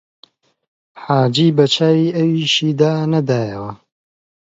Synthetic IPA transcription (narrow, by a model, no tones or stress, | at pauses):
ħaːd͡ʒiːbɐt͡ʃʰaːwiːʔɐwiʃiːd̪aːnɐd̪aːjɐwɐ